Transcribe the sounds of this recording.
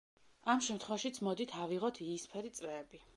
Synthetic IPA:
amʃɛmt̪ʰχwɛvaʃit̪sʰmɔd̪it̪ʰaviʁɔt̪ʰiːspʰɛɾit̪sʼɾɛːbi

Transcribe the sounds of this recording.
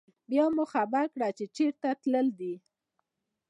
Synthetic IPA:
bjɑmʊxabakɽat͡ʃet͡ʃeɾt̪at̪ləld̪i

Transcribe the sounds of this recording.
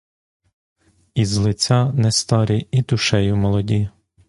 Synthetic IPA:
izlˠɪt͡sʲɑnɛst̪ɑɾʲiid̪ʊʃɛjʊmɔlˠɔdʲi

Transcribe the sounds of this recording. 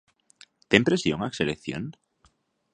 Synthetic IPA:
t̪empɾesjoŋakselekθjo̰n

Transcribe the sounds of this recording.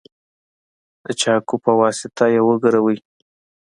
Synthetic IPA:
ət͡ʃɑkupəwɑsɪt̪ajewəɡəɾawəj

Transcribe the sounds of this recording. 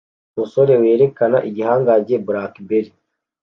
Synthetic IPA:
muso̞ɾe̞we̞ːɾe̞kanaʔiɟihaːŋɡaɟe̞buɾakbeɾi

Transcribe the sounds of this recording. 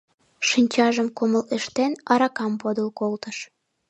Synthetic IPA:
ʃinʲt͡ɕɑʒəmkoməleʃt̪enɑɾɑkɑmpod̪əlkolt̪əʃ

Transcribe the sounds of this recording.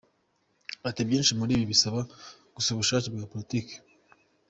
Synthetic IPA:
atebjiːnʃimuɾiːβiβisaβa | ɡ̥usuβuʃaːt͡ʃibɡaːpolitike̥

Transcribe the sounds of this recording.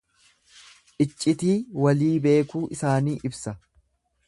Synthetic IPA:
ʔɪt͡ʃʼːɪt̪iːwɐliːbe̞ːkuːʔɪsaːniːʔɪbsɐ

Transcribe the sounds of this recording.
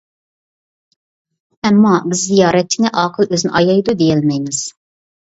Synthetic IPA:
ɛmːɑbɪzːijɑːɾɛt̪̚t͡ʃʰinɛʔɑːqʰəlˠøznɪʔɑjɑjd̪ud̪ejɛlmɛjmɪz̥

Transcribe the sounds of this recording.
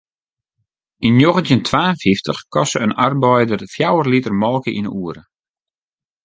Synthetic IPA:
injoɣəntjəntʰʋaːənfiftəxkɔsəənarbɔjdərfjawərlitərmɔlˠkəʔḭnəʔuəɾə

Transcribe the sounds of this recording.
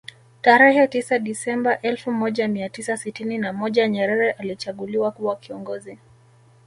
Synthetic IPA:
taɾɛhɛtisaɗisɛmbaʔɛlfumɔʄamiatisasitininamɔʄaɲɛɾɛɾɛʔalit͡ʃaɠuliwakuwakiɔŋɡɔzi

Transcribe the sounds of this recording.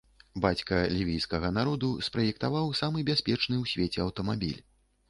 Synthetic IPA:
bat͡sʲkɐlʲivʲijskɐɣɐn̪aɾɔd̪uspɾɐjɛk̚t̪avawsamɨbʲasʲpʲɛt͡ʂnɨwsʲvʲet͡sʲɛɐwt̪ɐmabʲḭlʲ

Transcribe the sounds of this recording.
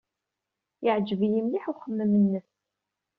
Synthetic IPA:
jɪʕd͡ʒəvijimliħuχəmːəmənːəθ

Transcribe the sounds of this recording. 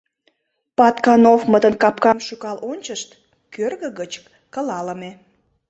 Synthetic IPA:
pɑt̪kɑnofmət̪ənkɑpkɑmʃukɑlʔonʲt͡ɕəʃt̪ | kørɣəɣət͡ɕkːəlɑləme

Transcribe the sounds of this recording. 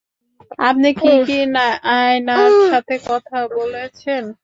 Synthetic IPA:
apnikikinajnaʃat̪ʰekɔt̪ʰabolet͡ɕʰen

